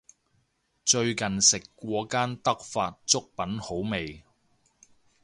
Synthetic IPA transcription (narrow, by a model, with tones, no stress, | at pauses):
t͡ʃt͡sɵ˧ɥkɐ˨nsɪ˨kːʷɔː˨˧kaː˥nt̪ɐ˥k̚faː˧t̚t͡sʊ˥k̚pɐ˨˥nho˨˥wme˨j